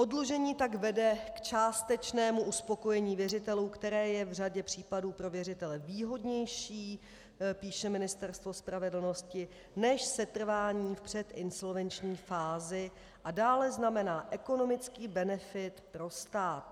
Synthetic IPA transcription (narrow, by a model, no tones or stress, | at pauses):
ʔo̞dloʒɛɲiːt̪aɡvɛdɛkt͡ʃaːst̪ɛt͡ʃnɛːmuʔuspo̞ko̞jɛɲiːvjɛrɪt̪ɛluːkt̪ɛɾɛːjɛvraɟɛpr̝̥iːpaduːpɾo̞vjɛrɪt̪ɛlɛviːɦo̞dɲɛjʃiː | piːʃɛmɪnɪst̪ɛɾst̪vo̞spɾavɛdl̩no̞scɪ | nɛʃsɛt̪r̩vaːɲiːfpr̝̥ɛt̪ʔɪnso̞lvɛnt͡ʃɲiːfaːzɪ | ʔadaːlɛznamɛnaːʔɛko̞no̞mɪt͡skiːbɛnɛfɪt̪pɾo̞st̪aːt̪